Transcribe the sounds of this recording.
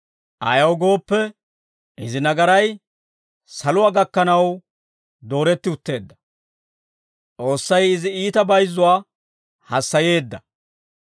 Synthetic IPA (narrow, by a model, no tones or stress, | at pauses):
ʔɐ̰jɐwɡo̞ːpːɛ | ʔɪzɪnɐɡɐɾɐj | sɐlʊwaːɡɐkːɐnɐw | d̪o̞ːɾɛt̪ːɪʊt̪ːe̞ːd̪ːɐ̥ | t͡sʼo̞ːsːɐjɪzɪiːt̪ɐbɐjzːʊwaː | hɐsːɐje̞ːd̪ːɐ